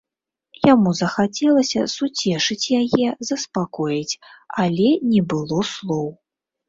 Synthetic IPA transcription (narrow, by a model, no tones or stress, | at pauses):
jamuzɐxat͡sʲɛlˠɐsʲɐsut͡sʲɛʂɨt͡sʲjajɛzɐspakɔjit͡sʲalʲɛnʲɛbɨlˠɔslˠɔw